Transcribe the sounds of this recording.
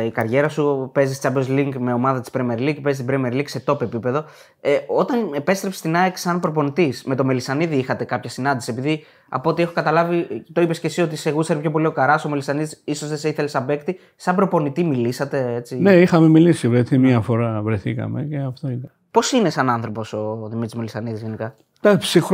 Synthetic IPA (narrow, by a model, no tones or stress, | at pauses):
ikɐɾʝe̞ɾɐsupe̞zist͡ʃɐbozliŋɡme̞o̞mɐðɐt̪i̥spɾemeɾliɡpeist̪ibɾemeɾliɡse̞t̪o̞pe̞pipe̞ðo̞ | eo̞t̪ɐnepe̞st̪ɾe̞psi̥st̪inɐeksɐnpɾo̞po̞nit̪isme̞t̪o̞me̞lisɐniðiixɐt̪e̞kɐpçɐsinɐnd̪isiepiði | ɐ̰po̞t̪ie̞xokɐt̪ɐlɐvit̪o̞ipe̞sce̞sio̞t̪iseɣuseɾipço̞p̬o̞lio̞kɐɾɐsomelisɐniðisiso̞zðeseiθelesɐbe̞kt̪i | sɐmbɾo̞po̞nit̪imilisɐt̪e̞e̞t͡sineixɐmemilisivɾeθimɐfo̞ɾɐvɾeθikɐ̰meceɐft̪oit̪ɐ | po̞sine̞sɐnɐnθɾo̞po̞so̞ðimit̪izmelisɐniðizʝe̞nikɐ | t̪ɐpsix